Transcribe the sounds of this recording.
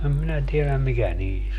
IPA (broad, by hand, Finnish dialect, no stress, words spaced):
em minæ tielæm mikæ niːs